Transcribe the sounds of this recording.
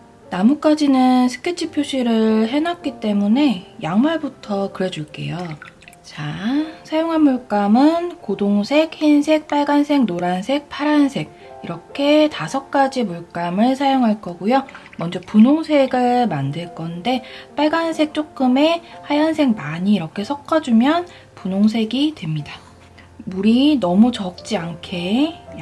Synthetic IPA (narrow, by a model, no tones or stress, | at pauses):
namuk͈ad͡ʑinɯnsʰɯ̥kʰet͡ɕʰipʰjoɕʰiɾɯɭɦe̞nak̚k͈it͈e̞mune̞jaŋmaɭbutʰʌkɯɾe̞d͡ʑuɭk͈e̞̰jo | t͡ɕasʰajoŋɦanmuɭk͈amɯnkodoŋsʰe̞k̚hinsʰe̞k̚p͈aɭɡansʰe̞ŋnoɾansʰe̞k̚pʰaɾansʰe̞k̚iɾʌkʰe̞tasʰʌk̚k͈ad͡ʑimuɭk͈amɯɭsʰajoŋɦaɭk͈ʌɡujomʌnd͡ʑʌpunoŋsʰe̞ɡɯɭmandɯɭk͈ʌnde̞p͈aɭɡansʰek̚t͡ɕ͈ok̚k͈ɯme̞hajansʰe̞ŋmaɲiːɾʌkʰe̞sʰʌk͈ʰad͡ʑumjʌn | punoŋsʰe̞ɡidwe̞mɲida | muɾinʌmut͡ɕʌk̚t͡ɕ͈iankʰe̞